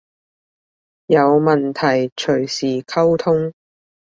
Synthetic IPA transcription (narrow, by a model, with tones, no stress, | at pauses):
jɐ˨˧wmɐ˨nt̪ʰɐ˨˩jt͡ʃʰɵ˨˩ɥsiː˨˩kʰɐ˥wt̪ʰʊ˥ŋ